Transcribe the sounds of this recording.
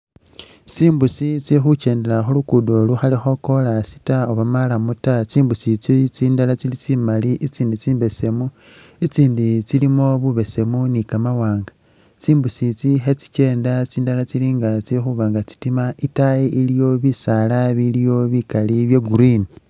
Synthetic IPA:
t͡siːmbusit͡sixut͡ʃe̞ːnde̞laxulukudoluxalixo̞ko̞lasi̥taoβamalamutat͡siːmbusit͡sit͡siːndalat͡silit͡simaliʔit͡siːndit͡siːmbe̞se̞mu | it͡siːndit͡silimo̞βuβe̞se̞munikamawaːŋɡa | t͡siːmbusit͡sixet͡si̥t͡ʃe̞ːndat͡siːndalat͡siliːŋɡat͡siixuβaːŋɡat͡si̥timaʔitajeʔilijo̞βisalaβilijo̞βikaliβjeɡuɾini

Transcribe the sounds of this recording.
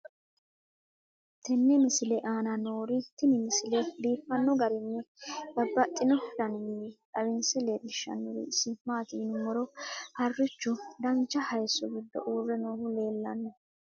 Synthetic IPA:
t̪ɛnːɛmɪsɪlɛʔaːnɐnoːɾɪt̪ɪnɪmɪsɪlɛd̪iːfːɐnːɔɡɐɾɪnːɛb̥ɐbːɐt̪ʼːɪnɔdɐnɪnːɛᶑɐbɪnsɛleːd̪ɪʃːɐ̰nːɔɾ̰sɪmaːt̪iːnʊmɔɾɔhɐrːɪt͡ʃːʊd̪ɐnt͡ʃːɐhɐjsːɔɡɪd̪ːɔ̰ʔuːrːɛnoːhʊleːlːɐnːɔ

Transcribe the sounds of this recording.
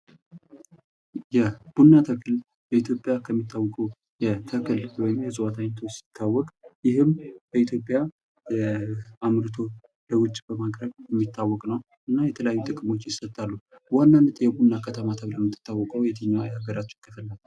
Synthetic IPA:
jɛb̥unːat̪ʰəkʰɨl | bəit̪ʰjo̞pʼjakʰəmːit̪ʰːawɔkʼəw | jɛt̪ʰəkʰʼɨlwɔjɪmjɛsʼɨwat̪ʰaɲt̪ʰosɪ̥t̪ʰːawːɔkʼjɪɦɨmb̥əit̪jo̞pʼːja | amɾɨt̪ʰo̞ | ləwʊt͡ʃʼbəmaɡɾəɡjɛmːit̪ʰːawːɔkʼnəw | ʔɨnːajɛt̪ʰələjajːud̪ʼɨkʼmo̞t͡ʃːjɪsət̪ʼːalːu | wanːanːət̪ʼjɛbunːakʰət̪ʰəmat̪ʰəβləmːɨt̪ʰːɨ̥t̪ːawːɔkʼəwjɛt̪ʰəɲːaajaɡəɾat͡ʃːk̪ʰːəfɨlːalː

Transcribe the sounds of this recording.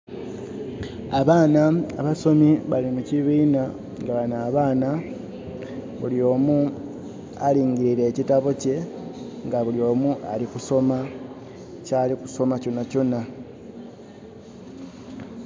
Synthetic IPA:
aβaːnaa̰βaso̞miβalimuciβiːna | ŋɡaβanaːβaːna | βuljo̞ːmu | a̰liːŋɟiɾiɾe̞ːcitaβoce̞ | ŋɡaβuljo̞ːmuʔa̰likuso̞ma | caːliku̥so̞macunacuna

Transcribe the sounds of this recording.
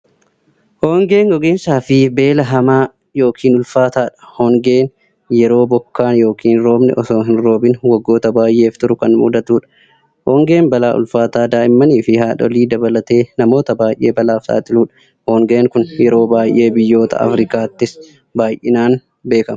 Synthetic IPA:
hɔːŋɡe̞ːŋɡɔɡeːnsaːfɪbe̞ːlɐɦɐmaː | jo̞ːkʰiːnʊlfaːt̪aːᶑɐ̥hɔŋɡe̞ːn | jɛɾo̞ːbɔkːaːnjo̞ːkʰiːnɾo̞ːbnɛ̰ʔɔsoːɦɪnɾo̞ːbɪnwɐɡːo̞ːt̪ɐbaːjʔe̞ːft̪ʊɾʊkɐnmṵd̪ɐt̪uːᶑɐ̥ | hɔːŋɡe̞ːnbɐla̰ːʔʊ̰lfaːt̪aːd̪aːʔɪmːɐniːfɪhaːᶑɔ̰liːd̪ɐbɐlɐt̪e̞ːnɐmo̞ːt̪ɐbaːjʔe̞ːbɐlaːft̪a̰ːt̪ʼɪluːᶑɐ̥ | hɔŋɡe̞ːŋkʊnjɛɾo̞ːbaːjʔe̞ːbɪjːo̞ːt̪ɐ̰ɐ̰fɾɪkaːt̪ːɪs | baːjʔɪnaːn | be̞ːkɐmɐ

